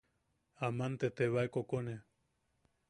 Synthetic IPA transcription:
amant̪et̪eβaekokone

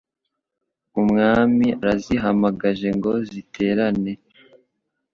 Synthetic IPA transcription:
umŋaːmiaɾaziɦamaɡaʒe̞ŋɡo̞zitʰe̞ːɾane̞

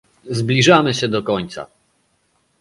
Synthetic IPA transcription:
zblʲiʐamɘɕɛd̪ɔkɔɲt̪sa̰

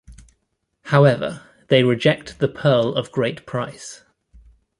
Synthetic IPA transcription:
haʊɛvə̰ | ðeɪɹɪd͡ʒɛk̚tðəpʰɜːləvɡɹeɪtpʰɹ̥aɪs

